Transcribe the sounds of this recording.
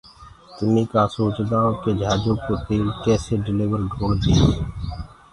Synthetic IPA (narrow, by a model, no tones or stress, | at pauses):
t̪ʊmĩːkaːsoːt͡ʃd̪aːõked͡ʒʱaːd͡ʒõːkot̪eːlkɛːseɖɪliːʋəɾɖʱoːɽd̪eː